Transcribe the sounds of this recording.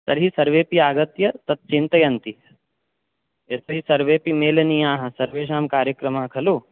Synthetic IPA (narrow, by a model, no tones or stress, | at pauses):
sɐ̰ɾɦisɐɾʋeːpiaːɡɐt̪jɐt̪ɐt̪̚t͡ʃint̪ɐjɐnt̪i | ɐsɐɦisɐɾʋeːpimeːlɐnijaːɦɐ̆sɐɾʋeːʃ̬aːmkaːɾjɐkɾɐmaɦɐkʰɐluː